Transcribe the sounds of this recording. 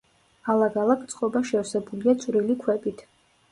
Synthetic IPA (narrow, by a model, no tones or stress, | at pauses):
alˠaɡalˠakʰt̪sʼqʼɔbaʃɛɾsɛbuliat̪sʼwɾilikʰwɛbit̪ʰ